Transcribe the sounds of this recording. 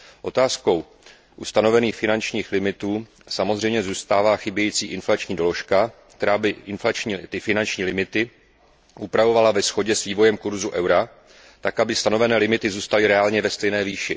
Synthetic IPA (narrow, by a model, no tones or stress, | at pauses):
ʔo̞t̪aːsko̞w | ʔust̪ano̞vɛniːxfɪnant͡ʃɲiːxlɪmɪt̪uː | samo̞zrɛjmɲɛzuːst̪aːvaːxɪbjɛjiːt͡siːʔɪnflat͡ʃɲiːdo̞lo̞ʃkakt̪ɛɾaːbɪʔɪnflat͡ʃɲit̪ɪfɪnant͡ʃɲiːlɪmɪt̪ɪ | ʔupɾavo̞valavɛsxo̞ɟɛsviːvo̞jɛmkuɾzuʔɛwɾa | t̪akʔabɪst̪ano̞vɛnɛːlɪmɪt̪ɪzuːst̪alɪɾɛaːlɲɛvɛst̪ɛjnɛːviːʃɪ